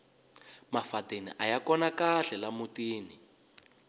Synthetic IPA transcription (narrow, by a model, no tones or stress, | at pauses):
mafatenḭʔajakɔnakaɬɛlamutiːni